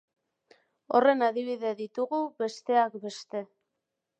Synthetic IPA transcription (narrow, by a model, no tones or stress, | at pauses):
o̞̰re̞naðiβ̞iðe̞ðit̪uɣuβe̞st̪e̞akbe̞st̪e̞